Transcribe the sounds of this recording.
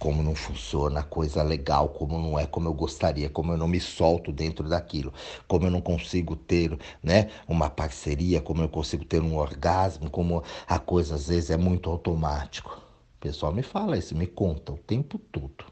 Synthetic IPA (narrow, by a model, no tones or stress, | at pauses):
kõmʊnɐ̃w̃fũsionɐkojzɐleɡawkõmʊnɐ̃w̃ɛkõmʊewɡost̪aɾiɐkõmʊewnɐ̃w̃mɪsɔwt̪ʊd̪ẽnt̪ɾʊd̪akilʊkõmʊewnɐ̃w̃kõsiɡʊt̪eɾnɛũmɐpaɾseɾiɐkõmʊewkõsiɡʊt̪eɾũoɾɡazmʊkõmʊɐkojzɐazvezɪzɛmũj̃t̪ʊawt̪omat͡ʃi̥kʊ̥ | pesʊawmɪfalɐisʊmɪkõnt̪ɐʊt̪ẽmpʊt̪od̪̥ʊ